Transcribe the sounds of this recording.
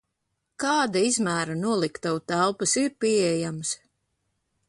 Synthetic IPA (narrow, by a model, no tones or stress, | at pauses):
kaːd̪aizmæːɾanuɔlˠikt̪awt̪ælˠpɨsiɾpiɛjams